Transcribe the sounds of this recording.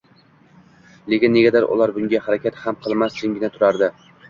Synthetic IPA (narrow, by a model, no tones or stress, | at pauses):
lekʲɪnːe̞ɡʲad̪aɾʔʊ̰lˠaɾbʊŋɡʲahaɾakʲat̪hamqʰɨlˠmasd͡ʒʰɪŋɡʲɪnat̪ʰʊɾaɾd̪ɪ